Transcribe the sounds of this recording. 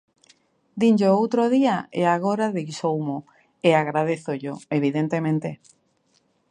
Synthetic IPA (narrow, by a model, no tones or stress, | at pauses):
d̪ind͡ʒoowt̪ɾoðiaeaɣoɾaðeɣsowmo | eaɣɾað̞eθoʎoeβ̞iðent̪emẽnt̪e